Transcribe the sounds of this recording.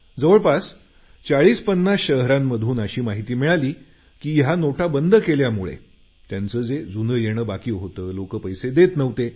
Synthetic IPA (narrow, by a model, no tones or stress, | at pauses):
d͡zəʋəɭpas | t͡saɭiːspənːasɕəɦɾamːəd̪ʱuːnəɕiːmaɦit̪iːmiɭaliː | kiːjanoʈʰabənd̪ʱəkeljamuɭḛ | t̪jant͡səːd͡zed͡zunəjeɽ̃əːbakiːɦot̪əːlokəpəjsed̪et̪nəʋt̪e